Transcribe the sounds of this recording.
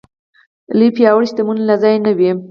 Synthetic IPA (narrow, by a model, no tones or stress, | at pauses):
lipjɑwɽisd̪əmunlazɑjnawi